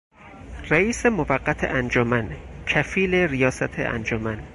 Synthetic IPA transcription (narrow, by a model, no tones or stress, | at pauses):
ræiːsemovæɢːæt̪ʰḛʔænd͡ʒomæncʰæfiːleɾijɒːsæt̪ʰḛʔæ̰nd͡ʒomæn